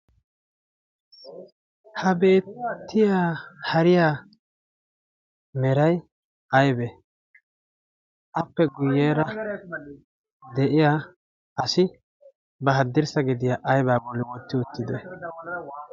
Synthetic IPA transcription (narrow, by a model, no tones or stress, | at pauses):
hɐbe̞ːt̪ʰːɪjaːhɐɾɪjaː | mɛɾɐj | ʔɐjbɛ | ʔɐpːɛɡʊjːeːɾɐ | d̪ɛʔɪjaː | ʔɐsɪ | bɐɦɐd̪ːɪɾsɐɡɪd̪ɪjaːʔɐjbaːɡɔlːɪwɔt̪ːɪʊt̪ːɪd̪ɛ